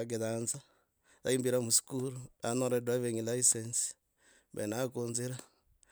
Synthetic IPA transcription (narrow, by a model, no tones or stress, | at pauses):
aɡ̬eðanza | ta̰imbiɾamusi̥kuluanoɾedwaβeɲilaisensi̥ | βḛnakuːnziɾa